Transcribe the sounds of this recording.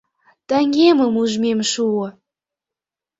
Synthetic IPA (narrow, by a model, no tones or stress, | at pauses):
t̪æŋɡemə̆muʒmemʃuɤ̆